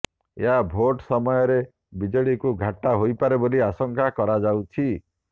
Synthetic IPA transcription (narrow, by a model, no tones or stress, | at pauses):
ḛɦabʱoʈsɔmɔjɔɾe | bid͡ʒɔɭikuɡʱaʈːaɦojpaɾeboliasɔŋkakɔɾad͡ʒawt͡ʃʰi